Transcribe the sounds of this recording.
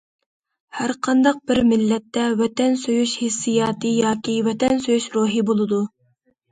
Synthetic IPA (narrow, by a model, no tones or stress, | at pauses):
hæɾqʰɑnd̪ɑq̚bɪɾmɪlːɛt̪ːɛwɛt̪ɛnsøjyʃhesːijɑːt̪ʰijɑːt̪ʲʰiwɛt̪ɛnsøjyʃɾoːɦɨbolˠɨd̪u